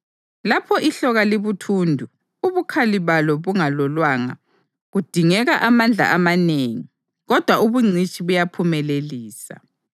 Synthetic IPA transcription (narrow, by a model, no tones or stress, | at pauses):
lapʰɔʔiɬɔɣaleβutʰuːndʱu | uβukʰaliβalɔβuŋalɔlwaŋa̰ | ɣud̥ʱiŋɛɣaʔamand͡ɮʱa̰ʔamaneːŋi | ɣɔd̥ʱwauβuŋ͡ǀʱit͡ʃʼiβujapʰumɛleliːsa̰